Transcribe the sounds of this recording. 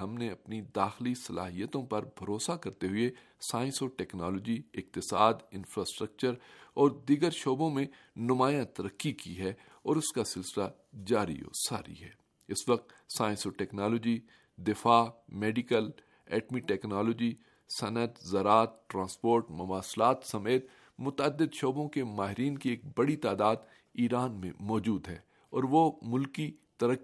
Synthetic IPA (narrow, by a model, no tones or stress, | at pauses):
ɐ̃mneɐpnid̪aːxlisɐla̰ːɦijət̪õpɐɾbʱɐɾoːsakɐɾt̪eɦʊe | saːɪ̃nsoʈɛːknaːloːd͡ʒiɪk̚t̪ɪsaːd̪ɪ̃nfɾaːsʈɾək̚t͡ʃəɾɔːɾd̪iːɡəɾʃoːbõmẽ | nʊmaːjãt̪ɐɾəkːikiɦɛ | ɔːɾʊskasɪlsɪla | d͡ʒaːɾḭo̰ːsa̰ːɾḭɦɛː | ɪsʋɐk̚t̪ | saːɪ̃nsoʈɛːknaːloːd͡ʒi | d̪ɪfaːmeːɖɪkəl | ɛːʈmiʈɛːknaːloːd͡ʒi | sɐnət̪zɐɾaːt̪̚ʈɾãːspoːɾʈmɐʋaːslaːt̪sɐmeːt̪ | mʊt̪əd̪ːɪd̪ʃoːbõkemaːɦɪɾiːnkieːk̚bɐɽit̪aːd̪aːd̪ | iːɾaːnmḛ̃mɔːd͡ʒuːd̪ɦɛː | ɔːɾʋomʊlkit̪ɐɾə